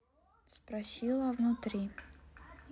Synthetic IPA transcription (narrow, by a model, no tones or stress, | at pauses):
spɾasʲilˠɐvnʊt̪ɾʲi